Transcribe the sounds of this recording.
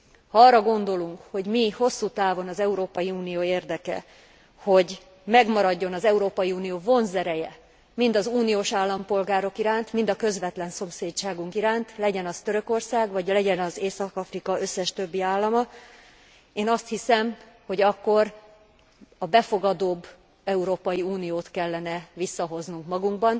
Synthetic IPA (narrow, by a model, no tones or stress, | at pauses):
hɒɒːrːɒɡo̞nd̪o̞luŋkho̞ɟmiho̞sːuːt̪aːvo̞nɒzɛuɾoːpɒjiuːnijoːeːrd̪ɛkɛ̰ | ho̞ɟ | mɛɡmɒɾɒɟːo̞nɒzɛuɾoːpɒjiuːnijoːvo̞nzɛɾɛjɛ | mind̪ɒzuːnijoːʃaːlːɒmpo̞lɡaːɾo̞kiɾaːnt̪mind̪ɒkø̞zʋɛt̪lɛnso̞mseːtt͡ʃaːɡuŋkiɾaːnt̪lɛɟɛnɒst̪ø̞ɾø̞ko̞rsaːɡvɒɟlɛɟɛnɒzeːsɒkɒfrikɒøsːɛʃt̪ø̞bːiaːlːɒmɒ | eːnɒst̪hisɛm | ho̞ɟɒkːo̞r | ɒbɛfo̞ɡɒd̪oːbː | ɛuɾoːpɒjiuːnijoːt̪kɛlːɛnɛvisːɒɦo̞znuŋkmɒɡuŋɡbɒn